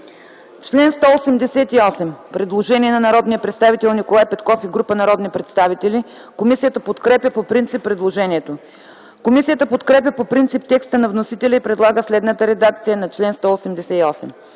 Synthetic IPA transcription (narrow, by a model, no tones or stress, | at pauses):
t͡ʃlɛnst̪ɔosɛmd̪ɛsɛt̪iɔsɛmpɾɛd̪lˠoʒɛniɛnɐnɐɾɔd̪nijəpɾɛt̪st̪avit̪ɛlˠnikolˠajpɛt̪kɔfiɡɾupənɐɾɔd̪nipɾɛt̪st̪avit̪ɛli | komisijət̪əpot̪kɾɛpʲjəpopɾint̪sipːɾɛd̪lˠoʒɛniɛt̪o | komisijət̪əpot̪kɾɛp̬ʲəpopɾint̪sip̚t̪ɛkst̪ənɐvnosit̪ɛlʲəipɾɛd̪lˠaɡəslɛd̪nət̪əɾɛd̪ak̚t̪sijənɐt͡ʃlɛnst̪ɔosɛmd̪ɛsɛiɔsɛm